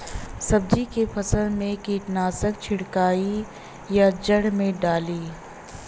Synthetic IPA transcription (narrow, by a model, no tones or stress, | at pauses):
sɐb̚d͡ʒikefʰɐsəlmẽkiːʈ̪naːsək̚t͡ʃʰɪɽkaːi | jad͡ʒəɽmẽɖaːliː